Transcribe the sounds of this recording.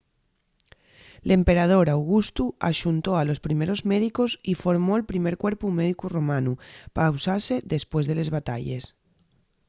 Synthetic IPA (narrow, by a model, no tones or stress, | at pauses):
lempeɾað̞oɾawɣ̞ust̪ua̰ʃunt̪oalospɾimeɾozmeðikosifoɾmoelpɾimeɾkweɾpumeð̞ikuromanupawsaseðespwe̞zðelezβ̞at̪aʎḛs